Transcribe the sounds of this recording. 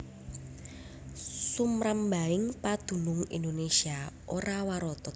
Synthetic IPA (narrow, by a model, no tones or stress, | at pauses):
sumɾəmbaɪŋpad̪̥ṳnʊŋḭndonesiaʔoɾawaɾɔt̪ɔt̪